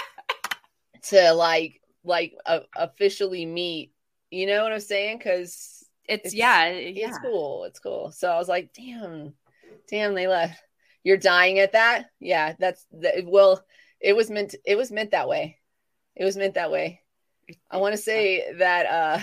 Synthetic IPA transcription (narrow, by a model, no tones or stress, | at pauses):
tʰɨlaɪk | laɪkəʔəfɪʃl̩ˠimit̚ | jɨñoʊwʌɾãɪ̃mseɪɪ̃ŋkʰʌz̥ | ɪtjæɪtskulˠɪ̰tskʰṵlˠsoʊaɪwʌzlaɪk̚d̥æ̃m | d̥æ̃mðeɪlɛft̚ | jə˞daɪɪ̃ŋɨt̪̚ðæt̚jæðætsðɨwɛlˠ | ʔɪt̚wʌzmɛ̃ntɨt̚wʌzmɛ̃n̚ðət̚weɪ | ʔɨt̚wʌzmɛ̃nðɨt̚weɪ | ʔaɪwɑ̃ñɨseɪðɨɾʌ